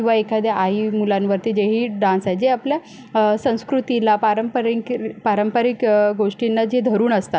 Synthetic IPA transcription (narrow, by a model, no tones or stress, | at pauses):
ĩʋaekʰad̪jaʔaɦimulanʋəɾt̪id͡ʑeɦiːɖãnsajd͡ʑeaplja | sə̃w̃skɾut̪ilapaɾəmpəɾikpaɾəmpəɾikɡoʂʈinːad͡ʑed̪ʱəɾuːnəst̪at̪